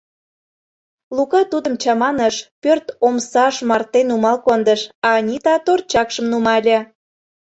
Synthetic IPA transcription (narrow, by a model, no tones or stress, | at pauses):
lukɑt̪ud̪əmt͡ɕɑmɑnəʃpørt̪omsɑʃmɑrt̪enumɑlkond̪əʃɑnʲit̪ɑt̪ort͡ɕɑkʃəmnumɑlʲĕ